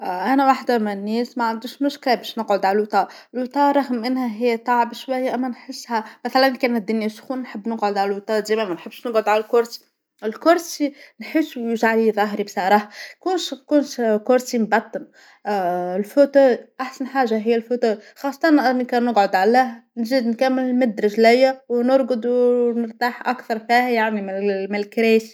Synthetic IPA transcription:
ʔʔænæwaħd̪æmɪnnːɛːsmæʕand̪ɪʃmʊʃkɪlæbɛːʃnəqʕod̪ʕalælwt̪ˤɑːɪlwt̪ˤɑːʔɾˤɑɣmːɪnhæɦɪjːæt̪ˤɑʕbʃwæjːæʔæmːænħɪsːhæmæθælænkæːnæt̪̚d̪ːʊnjæʃxuːnnħəbːnəqʕod̪ʕalælwt̪ˤɑːʔziːmæmænħəbːʃnəɡʕʊd̪ʕalælkʊɾsi̥ | ɪlkʊɾˤsinħɪsːwjɪʒʕaliðˤɑɦɾibsˤɑɾˤɑːħkuːnʃkuːnʃkʊɾsimbɑt̪ˤːɑn | ɪlfot̪uʔaħsænħaːʒaɦɪjːælfot̪uːxɑːsˤːɑt̪ˤɑnʔɪnːikæːnəɡʕod̪ʕalæɦnziːd̪nkæmːɪlɪlmɪd̪ɾˤɪʒlæjːæwnʊɾˤɡʊd̪wnəɾt̪aːħʔakθɑɾˤfiːhæjaʕnimɪmɪlkɾiːs

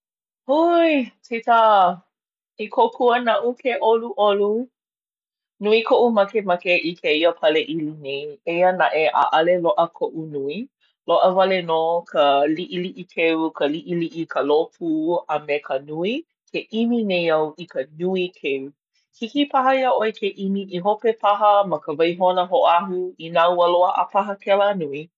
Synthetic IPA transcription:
hojtitə | ikʰokʰuənɐʔukʰeʔoluʔolu | nuikʰoʔumɐkemɐkeʔikʰeiəpʰɐleʔilinejejənaʔeʔa̰ʔɐleloʔəkʰoʔunui | loʔəvɐlenokʰəliʔiliʔikʰewkʰəliʔiliʔikʰəlopʰuəmekʰənui | kʰeʔiminejɐwʔikʰənuikʰew | hikipaɦɐiəʔoekʰeʔimiʔiɦopepʰɐɦəmɐkəvɐjɦonəɦoʔaɦuinawəloəʔɐ̰pʰɐɦəkɛlanui

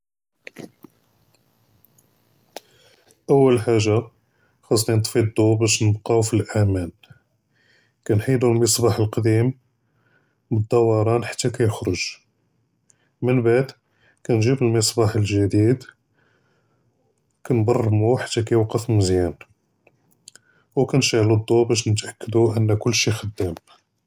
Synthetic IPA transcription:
ʔəwːəlħaʒːa | xɑsˤnint̪ˤfid̪ˤːubæʃnəbqɑwfilʔæmæn | kænħid̪ulməsˤbɑħəlqd̪im | bəd̪ːɑwɑɾˤɑnħḁt̪ːækæjəxɾoʒ | mənbaʕd̪ | kænʒibəlməsˤbɑħəlʒæd̪id̪ | kænb̪ɑrˤːmuħḁt̪ːækæjwqəflməzjæn | wkænʃaʕlud̪ˤːubæʃnət̪ʔækːəd̪uʔənːækʊlːʃixəd̪ːæm

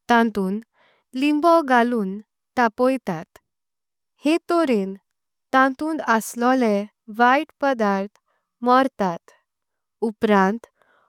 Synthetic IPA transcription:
t̪ãnt̪uːn | limbɔɡaluːn | ʈ̪apɔjt̪at̪ | het̪oɾen | t̪ãnt̪ũːnəslɔlẽ | ʋajʈpəd̪aɾt̪ʰ | mɔɾt̪at̪ | upɾãnt̪

